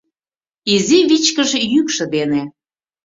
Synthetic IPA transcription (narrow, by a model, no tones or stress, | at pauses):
iziβit͡ɕkə̆ʒejykʃə̆d̪ene